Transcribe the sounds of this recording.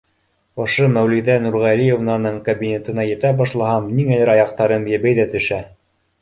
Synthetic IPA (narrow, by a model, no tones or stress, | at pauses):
ŏʃomæwliðænuɾʁælijovnɑnɤɴkɐbʲinʲet̪ɤ̆nɑjɘ̆t̪æbɑʃlˠɑhɑmniŋælæɾɑjɑq̚t̪ɑɾɤmjæβæjðæt̪ɵ̆ʃæ